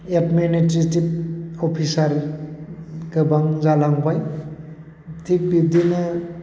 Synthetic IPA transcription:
epmenitɾetip̚opʰisaɾ | ɡɯbaŋzalaŋbaj | tʰik̚bib̚dinɯ

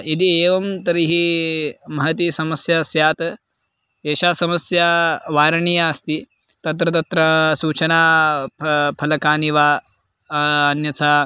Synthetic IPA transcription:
id̪ieːʋɐmt̪ɐɾiɦi | mɐɦɐt̪iːsɐməsjɐsjaːt̪ | eːɕasɐməsjaʋaːɾɳijaɐst̪iː | t̪ɐt̪̬ɾɐt̪̬ɐt̪ɾɐsuːt͡ʃɐna | pʰɐlɐkaːniʋa | njɐt͡sa

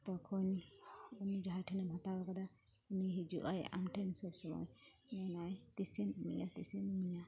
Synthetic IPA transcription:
t̪ɔkʰɔnunid͡ʒaɦajʈʰanamʱat̪abakad̪auniɦid͡ʒṵʔa̰ja̰mʈansɔbsɔmɔ̰j | manajt̪isinmḭjat̪isinmija

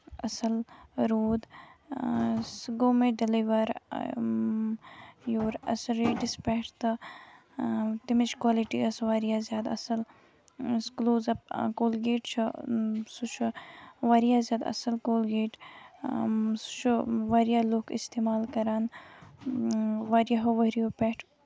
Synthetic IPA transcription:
ɐsɐlɾoːd̪ | sɡoːmẽɖɪliʋɐɾ | joːɾɐ̰sɾeːɖispeʈt̪ɨ | t̪imit͡ʃkwaːliʈiɐsʋaːɾijaːzjaːd̪ɐsɐl | skloːzɐp̚koːlɡeːʈt͡ʃʰusut͡ʃʰuʋaːɾijaːzʲjaːd̪ɐ̰sɐlkoːlɡeːʈ | su̥t͡ʃʰuʋaːɾijaːloːkḭst̪eːmaːlkɐɾaːn | ʋaɾjaɦoʋɐɾijopɛʈʰ

